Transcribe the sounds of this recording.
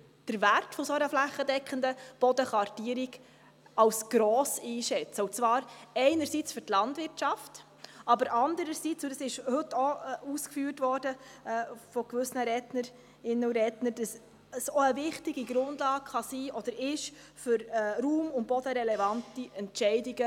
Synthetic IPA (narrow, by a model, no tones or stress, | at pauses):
d̥əɾværtfɔsoənəflæχːədɛkχəndəb̥ɔdəχʋɑɾtiːəɾiɡ | ɑwsɡ̥ɾɔːsiːʃɛt͡səʊt͡sʋɑːɾɛɪnəɾsiːt͡sfʏɾtlɑndvɪɾtʃɑft | ʔɑbəɾʔɑnd̪əɾəɾsit͡sʊdəsɪʃhɵtːɔuːskfyːɾtvɔɾdəɛːfɔkvʏsnəɾɛtnəɾ | ɪnːəʊɾɛtnəd̥əs | əsɔəvɪχtɪɡiɡɾʊndlɑːkχɑsiːʔɔd̥əɾɪʃ | fʏɾɛɾuːmʊnt̚b̥ɔd̥əɾɛlɛvɑntiɛntʃɛɪdiɡə